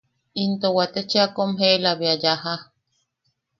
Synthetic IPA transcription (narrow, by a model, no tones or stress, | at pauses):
int̪owat̪et͡ʃeakomɦelaβiajaha